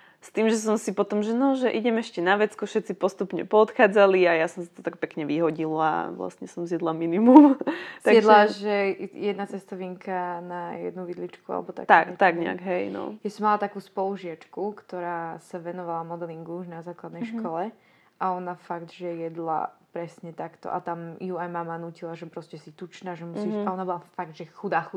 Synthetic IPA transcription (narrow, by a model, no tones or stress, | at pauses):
st̪iːmʒɛs̬ɔmsipɔt̪ɔmʒɛnɔʒɛʔiɟɛmɛʃcɛnaʋɛt͡skufʃɛt̪t͡sipɔst̪upɲɛ̰pɔɔt̪xaːd͡zaliajasɔmsḁt̪ɔt̪ak̚pɛkɲɛʋiɦɔɟila̰ʋla̰sɲɛsɔmzjɛd̪laminimumt̪aɡɛd̪laʒɛjɛd̪nat͡sɛst̪ɔʋiŋkanajɛ̰d̪nuʋid̪lit͡ʃkua̰lɛ̰bɔt̪a̰t̪akt̪aɡɲɛ̰a̰ɡɦɛjnɔ̰jasɔmːalat̪akuːspɔluʒɪat͡ʃkukt̪ɔɾaːsaʋɛnɔʋalamɔd̪ɛliŋɡuuʒnazaːklad̪nɛjjʃkʰɔlɛ | ʔaɔnafaɡd̪ʒɛjɛd̪la̰pɾɛsɲɛt̪akt̪ɔ̰ʔa̰t̪amjuajmamanuːcilaʒɛpɾɔscɛsit̪ut͡ʃnaːʒɛmusiːaɔnabɔlˠafaɡd̪ʒɛxud̪aːxu